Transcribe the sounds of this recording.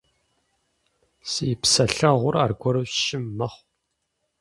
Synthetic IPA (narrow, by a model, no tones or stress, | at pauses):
sijpsɐɬɐʁʷʊra̰ːrɡʷɔɾɨwʃɪmːɐχʷ